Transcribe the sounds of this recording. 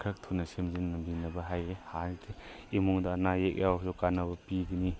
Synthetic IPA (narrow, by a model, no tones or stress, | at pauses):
kʰɾɐk̚tʰunɐsemzinːɐmbʱinɐbɐɦajɾehaltʰi | imuŋdanajek̚jʔawzukanɐbɐpiɡɐni